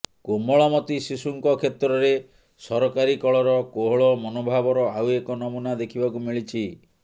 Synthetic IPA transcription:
komɔɭɔmɔt̪isisuŋkɔkʰet̪ɾɔɾe | sɔɾɔkaɾikɔɭɔɾɔkoɦɔɭɔmɔnobʱabɔɾɔawekɔnɔmunad̪ekʰibakumiɭit͡ʃʰi

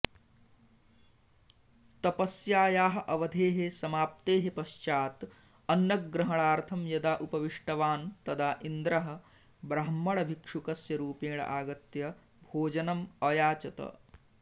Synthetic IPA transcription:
t̪ɐpɐsjaːjaːɦɐ̆ʔɐʋɐd̪ʱeːɦesɐmaːp̚t̪eːɦepɐʃt͡ʃaːt̪ | ɐnːɐkɡɾɐɦɐɳaːɾt̪ʰɐmjɐd̪aːʔupɐʋiʂʈɐʋaːnt̪ɐd̪aːʔind̪ɾɐɦɐ̆ | bɾɐɦɐmːɐɭɐbʱikʂukɐsjɐɾuːpeːɳ̃ɐ̰ʔaːɡɐt̪jɐ | bʱoːd͡ʒɐnɐmɐjaːt͡ʃɐt̪ɐ̰

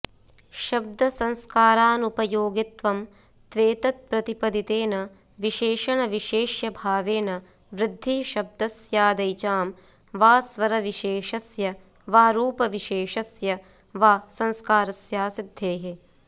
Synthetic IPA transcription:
ʃɐb̚d̪ɐsɐ̃ŋskaːɾaːnupɐjoːɡit̪ʋɐm | t̪ʋeːt̪ɐt̪̚pɾɐt̪ipɐd̪it̪eːnɐ | ʋiʃeːʃɐɳɐʋiʃeːʃjɐbʱaːʋeːnɐ | ʋɾɪd̪ʱːiːʃɐb̚d̪ɐsjaːd̪ɐjt͡ʃaːm | ʋaːsʋɐɾɐʋiʃeːʃɐsjɐ | ʋaːɾuːpɐʋiʃeːʃɐsjɐ | ʋaːsɐ̃nskaːɾɐsjaːsid̪ʱːeːɦe

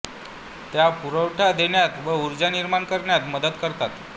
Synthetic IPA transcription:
t̪japuɾəwʈʰad̪eɳjat̪ʋəuɾd͡ʑaniɾmaɳkəɾɳjat̪məd̪əd̪kəɾt̪at̪

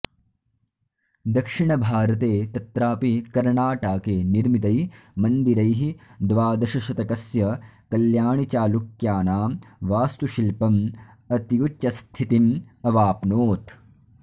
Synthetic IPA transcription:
d̪ɐkʂiɳɐbʱaːɾɐt̪eːt̪ɐt̪ɾaːpikɐɾɳaːʈaːkeːniɾmit̪̬ɐjmɐnd̪iɾɐjɦid̪ʋaːd̪ɐʃɐʃɐt̪ɐkɐsjɐkɐljaːɳit͡ʃaːlukjaːnaːmʋaːst̪uʃilpɐm | ɐt̪ijut͡ʃːt͡ʃɐst̪ʰit̪inɐʋaːpnoːt̪

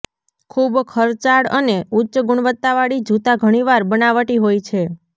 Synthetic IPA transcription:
kʰubkʰəɾt͡ʃaɽəneutːʃəɡʊɳ̃ʋət̪ːaʋaɽid͡ʒʱut̪aɡʱəɽ̃iʋaɾbənaʋəʈiɦojt͡ʃʰe

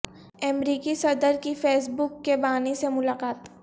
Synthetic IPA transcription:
ɛmɾiːkisɐd̪əɾkifeːs̬bʊkːebaːnesemʊlaːqaːt̪

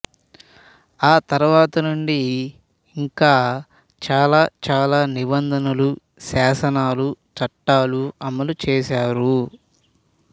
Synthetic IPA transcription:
aːt̪ɐɾuʋaːt̪ɐnuɳɖi | iŋkaː | t͡ʃaːlaːt͡ʃaːlaːnibɐnd̪ʱɐnɐlu | saːsɐnaːlut͡ʃɐʈːaːluɐmːɐlut͡ʃɛːʃaːɾu

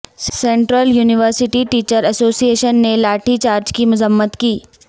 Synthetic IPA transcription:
sẽːɳʈɾəljuːnɪʋəɾsɪʈiʈiːt͡ʃəɾɐsoːsieːʃənːelaːʈʰit͡ʃaːɾd͡ʒkimʊzəmːət̪kiː

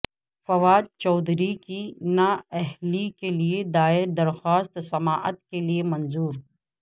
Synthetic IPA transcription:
fɐʋaːd̪̚t͡ʃɔːd̪ʱɾikinaɛɦlikelied̪aːɪɾd̪ɐɾxaːst̪sɐmaːʔət̪keliemɐ̃nzuːɾ

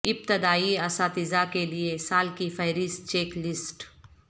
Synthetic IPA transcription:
ɪp̚t̪ɪd̪aːiɐsaːt̪ɪzakeliesaːlkifʰɐjɾɪst͡ʃeːklɪsʈ

